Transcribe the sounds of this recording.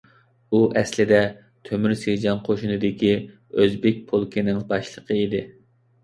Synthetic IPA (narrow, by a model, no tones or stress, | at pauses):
uʔɛslɪd̪ɛ | t̪ʰømyɾsed͡ʒɑnqʰoʃunɨd̪ɪkʲi | øzbɪk̚ʲpʰolˠkʰʲinɪŋbɑʃlˠəqʰəid̪ɪ